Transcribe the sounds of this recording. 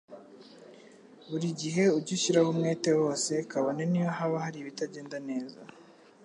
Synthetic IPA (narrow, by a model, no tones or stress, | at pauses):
βuɾiɟiɦe̞uɟiʃiɾaβumŋeːte̞wo̞ːse̞kaβonenijoɦaβahaɾiβitaɟe̞ːndane̞ːza̰